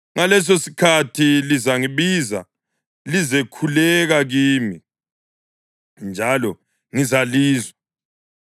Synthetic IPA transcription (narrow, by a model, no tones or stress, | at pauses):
ŋalɛs̬osi̥kʰatʰilizaŋiβiza | lizɛkʰulɛɣaɣiːmi | nd͡ʒʱalɔ | ŋizaliːzwa